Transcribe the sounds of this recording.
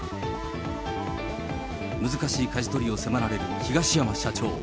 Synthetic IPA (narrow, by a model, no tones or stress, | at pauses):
mɯ̟zɨkaɕiːkaʑit̪o̞ɾʲio̞se̞maɾaɾe̞ɾɯ̟çiɡaɕijamaɕat͡ɕo̞̰ː